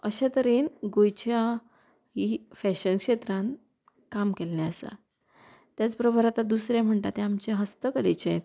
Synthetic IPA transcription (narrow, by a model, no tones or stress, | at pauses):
əɕat̪əɾiːnɡojt͡ɕja | hifɛɕənkʂet̪ɾãn | kamkelnaəsa̰ | t̪jat͡spɾəbʱəɾat̪ad̪usɾãm̤əɳʈ̪at̪ẽamt͡ɕeɦəst̪əkəlet͡ɕet̪